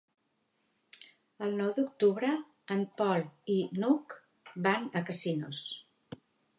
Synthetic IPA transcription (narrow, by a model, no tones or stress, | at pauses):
əlˠnɔwd̪uk̚t̪uβɾə | əmpɔlˠinuk | banəkəsinṵs